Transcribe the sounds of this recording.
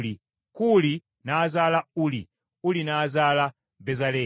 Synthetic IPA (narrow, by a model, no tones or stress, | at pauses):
li | kuli | naːzalauli | ulinaːzala | bɛzalɛː